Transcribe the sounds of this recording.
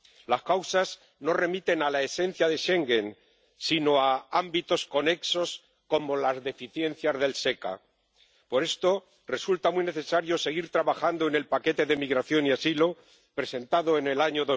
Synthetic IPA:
laskawsaz | no̞re̞mit̪e̞nalae̞se̞n̟θjaðe̞ʃe̞ŋɡe̞n | sino̞aambit̪o̞sko̞ne̞kso̞s | ko̞mo̞lazðe̞fiθje̞n̟θjazðe̞lse̞ka̰ | po̞ɾe̞st̪o̞ | re̞sult̪amwine̞θe̞saɾjo̞se̞ɣ̞iɾt̪ɾaβaxand̪oene̞lpake̞t̪e̞ðe̞miɣɾaθjo̞niasilo̞ | pɾe̞se̞nt̪aðo̞ene̞laɲoðo

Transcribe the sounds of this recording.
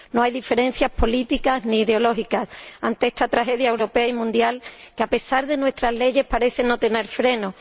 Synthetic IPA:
no̞ajðife̞ɾẽ̞n̟θjaspo̞lit̪ikazniːðeo̞lo̞xikasant̪eest̪at̪ɾaxe̞ðjaewɾo̞pe̞aimũnd̪jalkeape̞saɾðe̞nwe̞st̪ɾazle̞ʝe̞hpaɾe̞θeno̞t̪e̞ne̞ɾfɾe̞no̞

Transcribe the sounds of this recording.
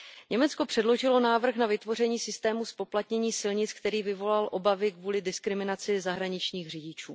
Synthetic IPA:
ɲɛmɛt͡sko̞pr̝̥ɛdlo̞ʒɪlo̞naːvr̩xnavɪt̪vo̞rɛɲiːsɪst̪ɛːmuspo̞plat̪ɲɛɲiːsɪlɲɪt͡skt̪ɛɾiːvɪvo̞lalʔo̞bavɪkvuːlɪdɪskɾɪmɪnat͡sɪzaɦɾaɲɪt͡ʃɲiːxrɪɟɪt͡ʃuː

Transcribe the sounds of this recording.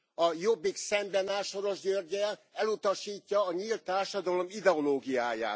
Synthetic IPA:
ɒjobːiksɛmbɛnaːʃo̞ɾo̞ʒɟøːrɟɛlɛlut̪ɒʃiːcːɒːɲiːlt̪ːaːrʃɒd̪ɒlo̞mid̪ɛo̞loːɡijaːja̰ːt̪

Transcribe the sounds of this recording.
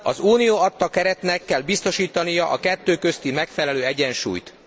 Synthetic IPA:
ɒzuːnijoɒt̪ːɒkɛɾɛt̪nɛkːɛlbist̪o̞ʃiːt̪ɒnijɒʔɒkɛt̪ːøːkøst̪imɛkfɛlɛløːɛɟɛnʃṵːjt̪

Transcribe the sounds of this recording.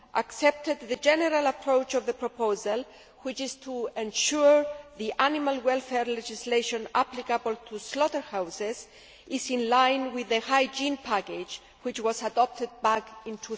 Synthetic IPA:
ʔaksɛp̚t̪ed̪̚ðəd͡ʒɛnəɾalapʰɾowt͡ʃɔvðəpɹopozal | wit͡ʃɪst̪ʰuẽnʃuɹðiʔanimalwɛlfɛɹlɛd͡ʒisleʃõna̰plikabəlt̪ʰuslɔtəɹhawsez | ɪzĩnlãjnwiðəhajd͡ʒĩnpʰaked͡ʒ | wit͡ʃwɔzadɔp̚t̪ɪd̪̚bakĩnt̪ʰu

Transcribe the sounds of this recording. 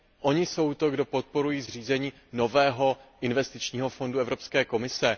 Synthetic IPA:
ʔo̞ɲɪso̞wt̪o̞ɡdo̞po̞t̪̚po̞ɾujiːzr̝iːzɛɲiː | no̞vɛːɦo̞ʔɪnvɛst̪ɪt͡ʃɲiːɦo̞fo̞nduɛvɾo̞pskɛːko̞mɪsɛ

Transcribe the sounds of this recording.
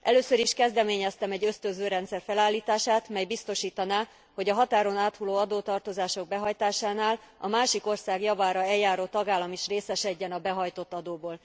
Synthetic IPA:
ʔɛløːsøɾiʃkɛzd̪ɛmeːɲɛst̪ɛmɛɟːø̞st̪ønzøːɾɛnt̪sɛrfɛlaːlːiːt̪aːʃaːt̪mɛjbist̪o̞ʃiːt̪ɒnaː | ho̞ɟɒɦɒt̪aːɾo̞naːt̪huloːɒd̪oːt̪ɒrt̪o̞zaːʃo̞ɡ̚bɛɦɒjt̪aːʃaːnaːlɒmaːʃiko̞rsaːɡjɒvaːɾɒɛljaːɾoːt̪ɒɡaːlːɒmiʃreːsɛʃɛɟːɛnɒbɛɦɒjt̪o̞t̪ːɒd̪oːboːl

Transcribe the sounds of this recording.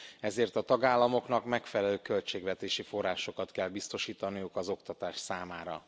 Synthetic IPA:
ɛzeːrt̪ɒt̪ɒɡaːlːɒmo̞kn̪ɒkmɛkfɛlɛløːkø̞lt͡ʃeːɡʋɛt̪eːʃifo̞rːaːʃo̞kɒt̪kɛlbist̪o̞ʃiːt̪ɒnijukɒzo̞kt̪ɒt̪aːʃsaːmaːɾɒ̰

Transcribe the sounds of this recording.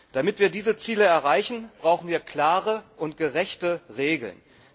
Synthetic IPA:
d̥amɪtv̥iːɐdiːzət͡siːləɛɐʁaɪçn̩b̥ʁaʊxn̩viːɐkʰl̥aːʁəʔʊnt̚ɡ̥əʁɛçtəʁeːɡl̩n

